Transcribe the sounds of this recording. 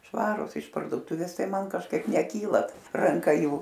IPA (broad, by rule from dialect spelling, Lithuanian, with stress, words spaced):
ˈʃʋɑːrʊs ɪʃ pɐrdoːˈtʊʋʲeːs ˈtɐɪ ˈmɐn kɐʃˈkɐɪp nʲɛˈkʲiːlˠɐ rɐŋˈkɐ ˈjuː